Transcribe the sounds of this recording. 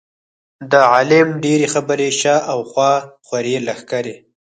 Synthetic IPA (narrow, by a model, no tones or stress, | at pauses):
d̪əʕalɪmɖeɾexabəɾeʃaʔawxwɑxwaɾelaxkaɾe